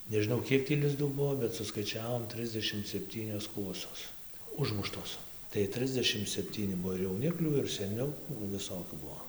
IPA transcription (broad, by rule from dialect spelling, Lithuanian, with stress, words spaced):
nʲɛʒʲɪˈnɐʊ ˈkʲiɛk tʲiː lʲɪzˈduː ˈbʊʋoː bʲɛt sʊskɐɪˈt͡ʃʲæːʋoːm ˈtʲrʲɪzʲdʲɛʃʲɪm sʲɛpʲˈtʲiːnʲoːs ˈkuɔsoːs ˈʊʒmʊʃtoːs tɐɪ ˈtʲrʲɪzʲdʲɛʃʲɪm sʲɛpʲˈtʲiːnʲɪ ˈbuɔ ɪr jɛʊˈnʲɪklʲuː ɪr sʲɛˈnʲuː nʊ ʋʲɪˈsoːkʲuː ˈbuɔ